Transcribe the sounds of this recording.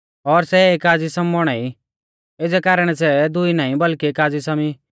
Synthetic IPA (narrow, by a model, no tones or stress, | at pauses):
ɔɾsɛeːkaːd͡zisɐmbɔɽ̃aːi | ed͡zɛkaːɾəɽ̃ɛs̬ɛd̪ʊinãːĩbɐlkieːkaːd͡zisami